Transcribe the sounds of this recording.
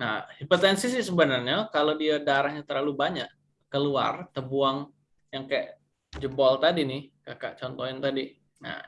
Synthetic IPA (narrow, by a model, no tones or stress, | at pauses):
na̰hdipot̪ɛnsisɪsəbənərɲakalodiadaɾahɲat̪ərlalubaɲaʔ | kəlua̰rt̪əbuaŋ | jaŋkajʔ | d͡ʒəbɔlt̪adinɪhkakaʔt͡ʃɔnt̪oɪnt̪adi | na̰